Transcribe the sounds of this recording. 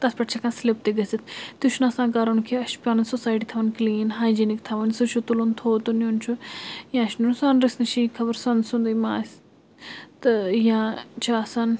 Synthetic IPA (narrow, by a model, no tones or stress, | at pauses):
t̪ɐspɐʈt͡ʃʰakãnslip̚t̪eɡɐsit̪ʰt̪uʃunɐsãːɡaɾɐnukʰiɐʃpʲaːnɐnsosaːjʈit̪ʰɐʋɐnkliːnɦaːjd͡ʒinikt̪ʰɐʋɐnsut͡ʃʰut̪ulont̪ʰoːt̪unont͡ʃʰujãʃnunsanɾisnɐʃikʰɐbɐɾsɐnsund̪imaːs | t̪ɨjãːt͡ʃʰasan